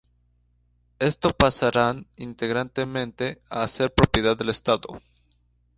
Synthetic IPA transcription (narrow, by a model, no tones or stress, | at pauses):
e̞st̪opasaɾanint̪e̞ɣɾant̪e̞mẽ̞nt̪e̞aːse̞ɾpɾopjeðaððe̞lest̪aðo̰